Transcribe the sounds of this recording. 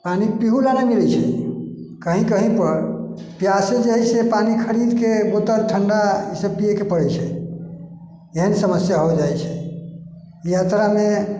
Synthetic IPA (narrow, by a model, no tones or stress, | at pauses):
panipiɦulanamiɾɛt͡ʃʰɛ̰ | kəɦĩkəɦĩpəɾ | pjased͡ʒeɦɛsepanikʰəɾid̪kebot̪əɾʈʰəɳɖasepiekepəɽɛjt͡ʃʰɛ | eɦənsəməsjaɦod͡ʒajt͡ʃʰɛ | ijat̪ɾame